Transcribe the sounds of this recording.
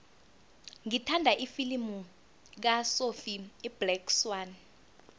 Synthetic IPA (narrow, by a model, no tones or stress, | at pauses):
ŋitʰandʱaʔifilimu | k̬asofib̥lɛkswan